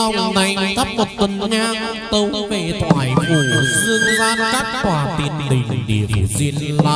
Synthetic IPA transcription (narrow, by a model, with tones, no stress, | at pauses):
a˨˧˩wŋ͡mna˨˩jɣə˦˥p̚mo˨˩t̚t̪ə˨˩nɲaː˧ŋ | t̪ə˧wve˧˩t̪ʰwaː˨˦jfu˨˧˩zɨ˧əŋzaː˧ka˦˥t̚kwaː˧˩t̪i˨˩nɗḭ̈˨˩ŋ̟ɗi˨˩ə˨zi˧ənla̰˧